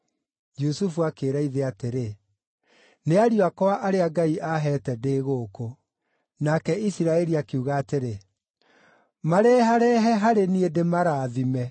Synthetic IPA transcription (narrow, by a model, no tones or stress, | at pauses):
d͡ʒusufuakeːɾaiðeateɾe | neaɾiwakɔaʔaɾeaɡaiʔaɦɛːtɛdeːɣoːko | nakɛisiɾaɛɾiakeuɣaːteɾe | maɾɛːhaɾɛɦɛɦaɾeniedemaɾaːðimɛ